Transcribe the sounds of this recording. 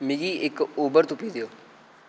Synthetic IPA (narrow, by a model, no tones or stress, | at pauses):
miɡiːʔɪkoːbəɾt̪ʊpiːd̪eoː